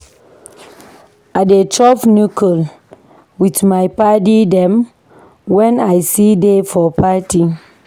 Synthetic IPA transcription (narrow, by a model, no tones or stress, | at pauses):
adet͡ʃɔpnukʰɔl | witmajpadidɛ̃m | wɛ̃najsidefɔpʰati